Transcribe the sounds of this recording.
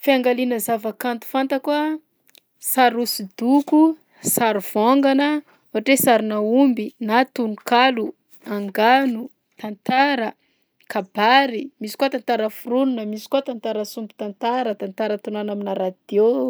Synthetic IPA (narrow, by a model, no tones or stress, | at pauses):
fiaŋɡalinəzavakant̪u̥fant̪əkuə | saɾusid̪uku | saɾuv̥oŋɡanə | uaʈ͡ʂesaɾinaumbinat̪unukalu | aŋɡanu | t̪ant̪aɾə | kʰab̥aɾimisi̥kuat̪ant̪aɾəfurununəmisi̥kuat̪ant̪aɾəsumbi̥t̪ant̪aɾət̪ant̪aɾət̪unanaminaɾad̪̥o